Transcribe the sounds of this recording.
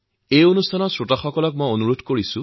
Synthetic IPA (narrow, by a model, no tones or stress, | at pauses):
ejonustʰanɔsɹotaxɔkɔlɔk̚mojonuɹodʱkoɹisʊ̃